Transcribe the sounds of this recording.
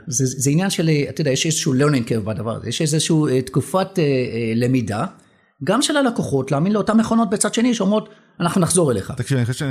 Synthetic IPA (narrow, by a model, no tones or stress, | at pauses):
zezeinjanʃeleat̪idajeʃezeʃuleʁnĩŋkevbad̪ava̰ʁ̰zḛjeʃezezʃuuetkufateele̞mida | ɡamʃelalakoχo̞tlaːminleo̞tameχo̞no̞t̚bet͡sad̥̪ʃe̞niʃeomʁo̞t | anaχnunaχzo̞ʁele̞̰χa̰t̪akʃivaniχoʃ